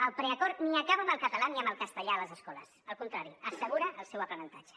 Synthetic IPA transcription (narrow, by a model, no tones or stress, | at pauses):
əlˠpɾɛəkɔɾniəkaβəməlˠkət̪əlaniəmbəlˠkəst̪əʎaələzəskɔlə̰səlˠkunt̪ɾaɾiəsəɣ̞uɾəʔːlˠsɛwəpɾənənt̪ad͡ʒə̥